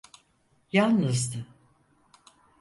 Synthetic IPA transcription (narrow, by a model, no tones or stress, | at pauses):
jalnɯzd̪ɯ